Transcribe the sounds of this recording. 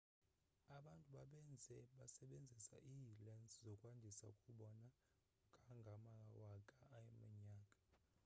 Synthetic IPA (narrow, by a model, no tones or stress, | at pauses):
aɓantʼuɓaɓɛnd͡zʱɛɓasɛɓend͡zʱisa̰ʔiːlɛnzzɔkʼwandʱisa̰ukʼuɓɔna | ɡʱaŋɡʱamawakʼaːjɛmɛɲaːkʼḁ